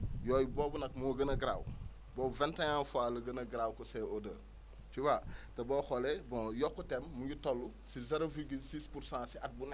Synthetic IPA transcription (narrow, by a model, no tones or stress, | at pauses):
jɔːjibɔːbunɐkmoɡɐnɐɡɾa̰ːw | boːvɛ̃ntãɲãːnfalɐɡɐnɐɡɾaːwkosɛodə | t͡ʃuwatɐbɔːxɔlebɔ̃jɔkːutɛmːuɟutolːu | sizeɾoviɡilsispuɾsãːsiʔat̚bunɛ